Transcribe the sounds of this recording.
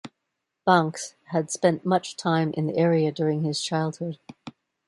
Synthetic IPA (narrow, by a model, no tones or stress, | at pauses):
b̥æ̃ŋkshɨd̥spɛ̃nʔmʌt͡ʃtʰãɪ̃mʔɨ̰̃nðḭʔɛɹiɨdʊɹɪ̃ŋɪz̥t͡ʃʰaɪlˠd̚hʊd̥